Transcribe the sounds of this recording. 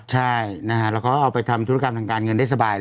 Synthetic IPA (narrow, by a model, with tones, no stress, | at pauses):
t͡ɕʰa˥˩jna˦˥kʰa˦˥ɾɛː˦˥wkʰɔː˦˥ʔa˧wpa˧jt̪ʰa˧mt̪ʰu˦˥˧ka˧mt̪ʰaː˧ŋkaː˧nŋɤ˧nda˥˩jsa˧baː˧j